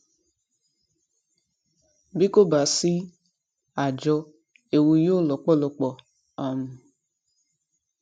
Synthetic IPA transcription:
bi˦ko˦ba˨si˦ | a˨d͡ʒɔ˧ | e˨wu˧jo˦lɔ˨k͡pɔ˦˨lɔ˧k͡pɔ˨ | a˨mu˨

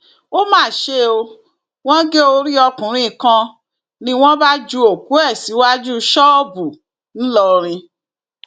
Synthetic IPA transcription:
o˦mãː˦˨ʃe˧o˧ | w̃ɔ̃˦ɡe˦o˧ɾi˦ɔ˧kũ˨ɾ̃ĩ˦˨kã˧ | nĩ˧w̃ɔ̃˦ba˦d͡ʒu˦o˨ku˨˦ɛ˦˨si˨˦wa˦d͡ʒu˦ʃɔ˦˨bu˨ | n̩˦lɔ˧ɾ̃ĩ˧

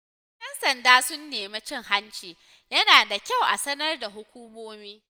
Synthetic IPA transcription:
ʔɛ˦nsɐ˨ndaː˦sʊ˦nːeː˨ma˦t͡ʃɪ˦ŋha˦nt͡ʃiː˨ | jɐ˦naː˨da˨kʲa˦˨wʔa̰˨sɐ˦nɐ˦rda˨ɦʊ˦kʷuː˦moː˦miː˦

